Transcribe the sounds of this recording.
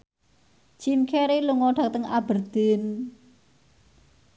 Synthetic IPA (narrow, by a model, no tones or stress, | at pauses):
t͡ʃinkʰeɾiluŋɔɖ̥a̤k̚t̪əŋab̥ərd̪̥ɪn